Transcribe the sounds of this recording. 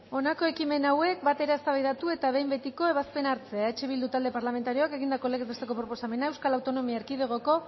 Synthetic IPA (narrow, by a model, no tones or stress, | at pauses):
o̞nako̞e̞kime̞nawe̞k̚bat̪e̞ɾaest̪aβajðat̪ue̞t̪aβe̞jmbe̞t̪iko̞e̞β̞aspe̞naɾt͡se̞aet͡ʃeβ̞ild̪ut̪ald̪e̞paɾlame̞nt̪aɾio̞ake̞ɣind̪akoleɣezβest̪e̞ko̞pɾo̞po̞same̞naewskalawt̪o̞no̞miaeɾkið̞eɣ̞o̞ko̞